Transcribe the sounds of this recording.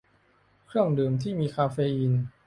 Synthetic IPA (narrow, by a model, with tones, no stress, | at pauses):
kʰɾɯ˥˩əŋdɯː˧mt̪ʰiː˥˩miː˧kʰaː˧feː˧ʔi˧n